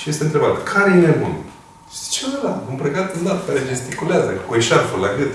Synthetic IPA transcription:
ijest̪eɨnt̪ɾe̞bat̪kʰaɾejmemun | t͡ʃead̪aɨmpɾeɡat̪ɨnd̪at̪kaɾed͡ʒest̪ikuleazəkueʃaɾfulaɡɨt̪

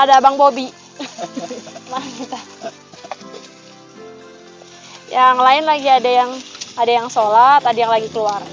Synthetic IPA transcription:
adabaŋbobi | makit̪a | jaŋlaɪnlaɡiadajaŋadajaŋsolat̪adajaŋlaɡikəluar

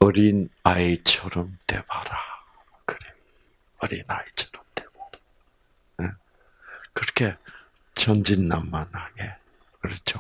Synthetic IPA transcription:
ʌɾinait͡ɕʰʌɾʌmt̪e̞̰baɾa | kɯɾe | ʌɾinait͡ɕʰʌɾʌmt̪eɡo | ne | kɯɾʌkʰe | t͡ɕʰʌnd͡ʑinːamːanhaŋe | kɯɾʌt͡ɕʰo

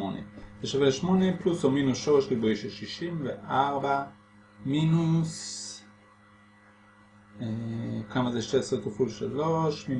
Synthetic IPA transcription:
onḛzeʃaveʃmoneplusominusʃoʁeʃlibejʃeʃiʃimveʔaʁba | minus | ekamazeʃtesʁekafulʃaloʃmi

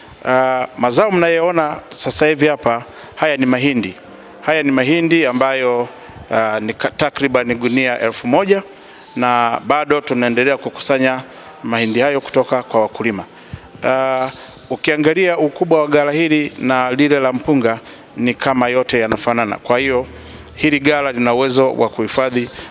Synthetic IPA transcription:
amazaɔm̩najɛɔnasasahivihapa | hajanimaɦindi | hajanimaɦindiambajɔ | nitakɾiɓaniɗuniaʔɛlfumɔʄa | naɓaɗɔtunaɛndɛlɛakuku̥saɲa | mahindihajɔku̥tɔkakwawakulima | ukiaŋɡaliaukuɓwawaɠalahilinalilɛlam̩puŋɡa | nikʰamajɔtɛjanafanana̰kwahijɔ | hiliɡalalinauwɛzɔwʔa̰kuhifaði

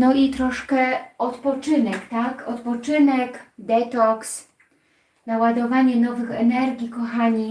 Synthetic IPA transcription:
nɔit̪ɾɔʂkɛɔt̪pɔt͡ʂɘnɛkt̪akɔt̪pɔt͡ʂɘnɛkd̪ɛt̪ɔks | nawad̪ɔvaɲɛnɔvɘxɛnɛɾɡʲikɔxaɲi

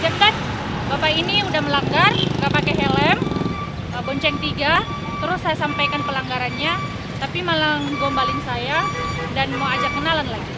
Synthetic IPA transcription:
d͡ʒat̪at̪̚ | bapainiudahməlaŋɡarɡapakɛɦɛlɛm | əbɔɲt͡ʃɛŋt̪iɡa | t̪əɾʊsːajasampajkanpəlaŋɡaɾanɲa | t̪apimalaŋd͡ʒombalɪŋsaja | danmoad͡ʒakənalanlaɡi

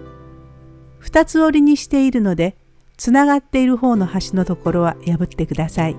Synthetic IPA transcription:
ɸɯ̟̥t̪at͡sɨo̞ɾʲiɲ̟iɕi̥t̪e̞iɾɯ̟no̞d̪e̞ | t͡sɨnaɡat̪ːe̞iɾɯ̟ɦo̞ːno̞haɕino̞t̪o̞ko̞ɾo̞β̞ajabɯ̟t̪ːe̞kɯ̟d̪asai

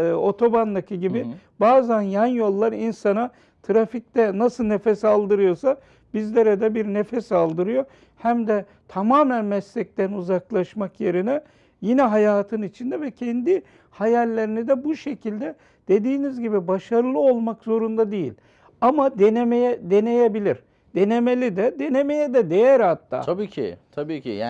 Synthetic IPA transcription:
o̞t̪ʰo̞band̪acʰiɟibɪ | baːzænjanjo̞lˠːaɾinsana | t̪ʰɾafic̚t̪ɛnasɯlˠnefɛsalˠd̪ɯɾɯjo̞sa | bizlʲeɾɛd̪ɛbiɾnefɛsalˠd̪ɯɾɯjo̞ | hæmd̪ɛ | t̪ʰamaːmænmɛslɛc̚t̪ænuzaklˠaʃmakje̞ɾinɛ | jinɛɦajaːt̪ʰɯnit͡ʃʰind̪ɛvɛcʰɛnd̪i | hajalʲːeɾinid̪ɛbuʃe̞cʰilʲd̪ɛ | d̪̥e̞d̪iːnizɟibibaʃaɾɯlˠɯo̞lˠmakzo̞ɾund̪ad̪ejḭlʲ | amad̪enemejɛd̪e̞ne̞jebilʲiɾ̥ | d̪̥e̞ne̞me̞lʲid̪ɛd̪e̞ne̞me̞jɛd̪ɛd̪e̞jæɾhat̪ʰːa̰ːabiːcʰɪ̰t̪ʰabiːcḭja

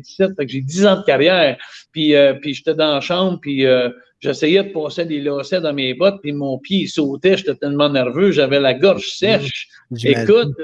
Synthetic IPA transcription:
i̥sɛt̪̚fakʒed̪izɑ̃d̪əkaʁjɛːʁpiøpiʒet̪ɛd̪ɑ̃ʃɑ̃bpiø | ʒesɛjɛd̪əpɑːselelɔːsɛd̪ɑ̃meːbɔt̪̚pimɔ̃ːpjeisoːt̪ɛʒet̪ɛt̪ɛlmɑ̃nɛʁvøʒavɛlaɡɔʁʒ̥sɛʃ | ekkʊt̪̚

